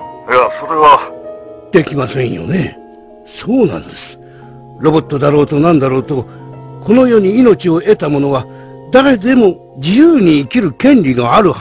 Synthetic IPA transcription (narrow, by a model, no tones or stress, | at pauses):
jaso̞ɾe̞βa | d̪̥e̞kʲimasẽ̞ɰ̰̃jo̰ne̞ | so̞ːnã̰nd̪esɨ̥ | ɾo̞bo̞t̪ːo̞d̪aɾo̞ːt̪o̞nãnd̪aɾo̞ːt̪o̞ko̞no̞jo̞ːɲ̟iːno̞t͡ɕio̞ʔe̞t̪amo̞no̞βa | d̪aɾe̞d̪e̞mo̞ | d͡ʑijɯːɲ̟iːkʲiɾɯ̟kẽ̞nɾʲinaaɾɯ̟